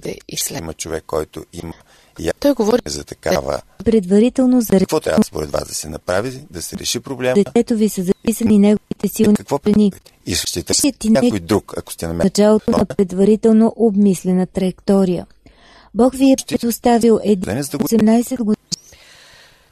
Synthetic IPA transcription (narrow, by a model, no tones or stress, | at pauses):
d̪ɛ̰ḭslɛmət͡ʃovɛkːɔjt̪o̰imə | ḭat̪ɔjɡovɔɾizɐt̪ɐka̰və̰ | pɾɛd̪vɐɾit̪ɛlˠnozɐɾkvɔt̪ɾa̰spo̰ɾɛ̰d̪va̰zd̪ɐsɛnɐpɾavid̪ɐsɛɾɛ̰ʃipɾoblɛd̪ɛtɛt̪ovisəzɐpisəninɛɡovit̪ɛsilˠnkvɔpɾɛni | iskʃt̪it̪ʃiət̪ːinɛkojd̪ɾukɐ̰ko̥st̪iɛnɐmɛɐt͡ʃalˠot̪onɐpɾɛd̪vɐɾit̪ɛlˠnoʔobmislɛnət̪ɾɐɛkt̪ɔɾijə̰ | bɔkviɛpɾɛd̪ost̪avilˠɛd̪ɛnɛzosɛmnajsɛd̪ɡod̪i